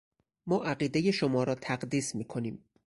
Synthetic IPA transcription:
mɒːʔæɢiːd̪eje̞ʃomɒːɾɒːt̪ʰæɢd̪iːsmiːkʰo̞niːm

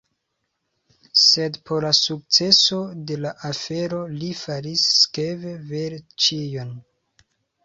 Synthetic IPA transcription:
sedpʰoɾlasuk̚t͡se̞so̞de̞laʔafe̞ɾo̞lifaɾisːkeveveɾt͡ʃijon

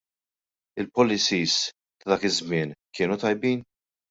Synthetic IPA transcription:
ɪlpɔlːɪsiːs | t̪ɐd̪ɐːkɪzmɪːnkɪːnut̪ɐjbiːn

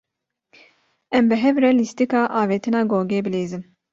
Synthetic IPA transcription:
ɛmbɨɦɛvɾɛlist̪ikɑːʔɑːveːt̪ʰɨnɑːɡoːɡeːbɨleːzɨm

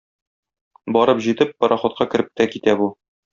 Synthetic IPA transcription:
bɒɾɤpʑit̪ɘpːɒɾʔɑχŏt̪̚qɑkɘ̆ɾɘp̚t̪ækit̪æbu

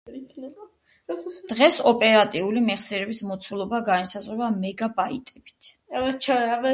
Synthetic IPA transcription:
kʰnɛ | d̪̥ʁɛsɔpʼɛɾat̪ʼiulimɛχsiɾɛbismɔt̪sʰulˠɔbaɡanisazʁɛbamɛɡabait̪ʼɛbi̥t̪ʰ | ɛt͡ʃʰaabɛ

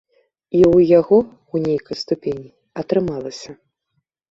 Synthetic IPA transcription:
iwjaɣɔ | wnʲejkɐjst̪upʲenʲi | ɐt̪ɾɨmalˠɐsʲɐ

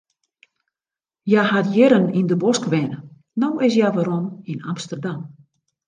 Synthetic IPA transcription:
jahatjɪɾənindəbɔskəʋɛnə | nowɪs̬jaʋaɾɔminamstərdam

